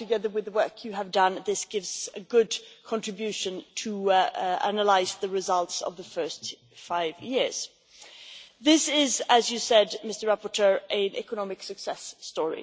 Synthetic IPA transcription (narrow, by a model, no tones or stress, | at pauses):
tɨɡɛðə˞wɪðwɜˑ˞kʰjɨəvdʌ̃nðɪsɡ̥ɪvz̥ɨɡʊdkʰɑ̃ntɹ̥ɪbjʉˑʃə̃ntʰə | a̰nəlaɪzðəɹɪzʌlˠtsə̰vðəfɜ˞st | faɪvjɪɹz̥ | ðɪsɪzəzjɨsɛdmɪstə˞ɹapətʰɜːɹʔɨ̃nʔɛ̰kənɑmɪksɨksɛsːtɔɹḭ